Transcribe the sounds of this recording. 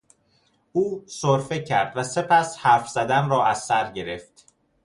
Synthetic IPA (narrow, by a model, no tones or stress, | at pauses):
uːsoɾfe̞cʰæɾd̪̥væse̞pʰæshæɾfz̥æd̪ænrɒːæzːæɾɟe̞ɾe̞ft̪